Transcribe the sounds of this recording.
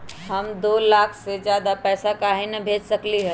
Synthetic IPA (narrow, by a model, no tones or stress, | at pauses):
ɦɐmd̪oːlaːkʰsezjaːd̪apɛːsakaːɦɪnəbʱeːd͡ʒsɐkliɦə